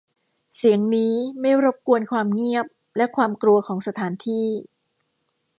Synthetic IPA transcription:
si˨˩˦əŋniː˦˥ma˥˩jɾo˦˥p̚ku˧ənkʰwaː˧mŋi˥˩əp̚ | lɛ˦˥kʰwaː˧mkɾu˧ɐkʰɔː˩˦ŋsa˧t̪ʰaː˩˦nt̪ʰiː˥˩

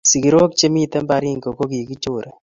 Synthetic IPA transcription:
si˨ki˨ɾo˦k̚t͡ʃe˦mi˦t̪ɛ˦mba˨ɾi˦ŋko˨ko˦ki˨ki˦t͡ʃo˨ɾʔe˨

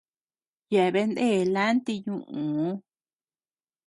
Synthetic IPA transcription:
ja˨βe˧nd̪e˦˨la˦nt̪i˧ɲũ˦ʔũ˨˦

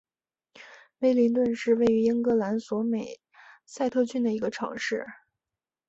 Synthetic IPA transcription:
fe˥ɪli˧˥nt̪̬wə˥˧nʂɻ̩˥˧we˥˩ɪy˧˥i˥ŋkɤ˧˥la˧˥nswɔ˧˥me˨˩ɪ | sa˥˧ɪt̪ʰɤ˥˧t͡ɕʰy˥˩nd̪ə˩i˧˥ɡə˧ʈ͡ʂʰɑ̰˧˥ŋʂɻ̩˥˩

